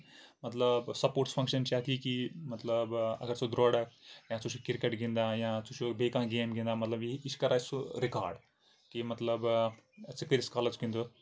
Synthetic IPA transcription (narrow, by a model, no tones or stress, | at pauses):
mɐt̪lɐbsɐpoːɾʈspʰɐŋkʃɐnt͡ʃaːt̪ʰikimɐt̪lɐbɐ̰ɡɐɾt͡sud̪ɾoːɽɐkjãːt͡sut͡ʃʰukiɾkeʈɡind̪ajãːt͡sut͡ʃʰubeːkãːɡeːmɡind̪aːmɐt̪lɐbiɦiʃkɐɾaːsuɾika̰ːɾɖ | kimɐt̪lɐbt͡sik̪iɾiskaːlɐd͡ʒkind̪u